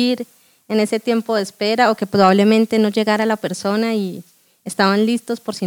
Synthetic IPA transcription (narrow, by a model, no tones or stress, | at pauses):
iɾ | e̞ne̞se̞t̪je̞mpo̞ðespe̞ɾao̞ke̞pɾoβaβle̞mẽ̞nt̪e̞no̞ʝe̞ɣaɾalape̞ɾso̞nai | est̪aβanlist̪o̞spo̞ɾsi